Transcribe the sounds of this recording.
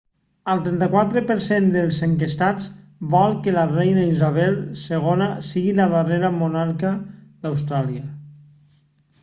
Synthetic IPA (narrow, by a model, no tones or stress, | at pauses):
əlˠt̪ɾɛnt̪əkwat̪ɾəpəɾsend̪əlˠzəŋkest̪ad͡zβalˠkəlarɛjnaizaβ̞ɛlˠseɣ̞onasiɣilaðəreɾəmonaɾkəðawst̪ɾaliə